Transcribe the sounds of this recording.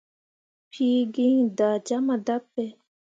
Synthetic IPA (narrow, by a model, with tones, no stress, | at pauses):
pʰiː˦ɡiŋd̪aː˨t͡ɕa˦ma˨d̪a˦pːe